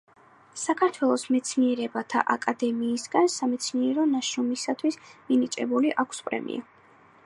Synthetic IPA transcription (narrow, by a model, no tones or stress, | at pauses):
sakʰaɾt̪ʰwɛlˠɔsmɛt̪sʰniɛɾɛbat̪ʰa̰ʔakʼad̪ɛmiːsɡansamɛt̪sʰniɛɾɔnaʃɾɔmisat̪ʰwisminit͡ʃʼɛbuliʔakʷʰspʼɾɛ̰mḭa̰